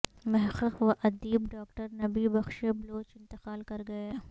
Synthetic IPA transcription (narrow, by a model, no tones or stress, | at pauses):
mɛɦxəxʋɐʔɐd̪iːbɖaːkʈəɾnɐbibɐxʃebloːt͡ʃɪ̃nt̪ɪqaːlkɐɾɡɐeː